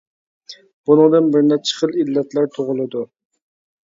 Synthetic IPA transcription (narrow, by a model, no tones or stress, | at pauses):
b̥unɨŋd̪ɨnbɪɾnɛt͡ʃʰə̥χəlilːɛt̪ʰlæɾt̪ʰoʁʊlˠɨd̪u